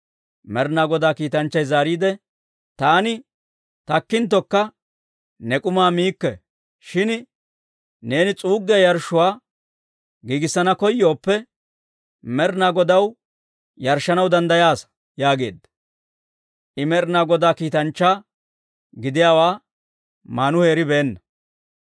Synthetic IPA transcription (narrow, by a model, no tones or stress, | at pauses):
mɛɾnaːɡɔd̪aːkiːt̪ɐnt͡ʃːɐjzaːɾiːd̪ɛ | t̪aːnɪ | t̪ɐkːɪnt̪̬ːɔkːɐ | nɛkʼʊmaːmiːkːɛ | ʃɪn | ne̞ːnɪt͡sʼuːɡːɪjɐjɐɾʃːʊwaː | ɡiːɡɪsːɐnɐkɔjːo̞ːpːɛ | mɛɾnaːɡɔd̪ɐw | jɐɾʃːɐnɐwd̪ɐnd̪ɐjaːs | jaːɡe̞̰ːd̪ːɐ̥ | ʔɪmɛɾnaːɡɔd̪aːkiːt̪ɐnt͡ʃːaː | ɡɪd̪ɪjaːwaː | maːnʊhe̞ːɾɪbeːnːɐ